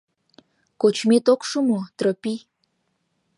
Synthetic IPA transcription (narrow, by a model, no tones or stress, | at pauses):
kot͡ɕmet̪okʃumot̪ɾəpi